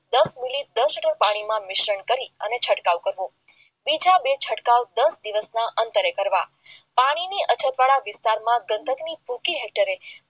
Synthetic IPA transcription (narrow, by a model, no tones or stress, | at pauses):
d̪əsmilid̪əsəʈəɾpaɽ̃imãmɪʃəɳkəɾiənet͡ʃʰəʈkaʋkəɾʋo | bid͡ʒabet͡ʃʰəʈkaʋd̪əsd̪iʋəsnaʔənt̪əɾekəɾʋa̰ | paɽ̃iniʔət͡ʃʰət̪ʋaɭaʋɪst̪aɾmãɡə̃nd̪ʱəɡnibʱukiɦɛk̚ʈəɾe